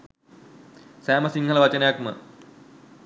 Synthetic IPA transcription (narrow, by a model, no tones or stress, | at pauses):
sæːmɐsiŋɡʱɐlɐʋɐt͡ɕɐnɐjak̚mɨ̰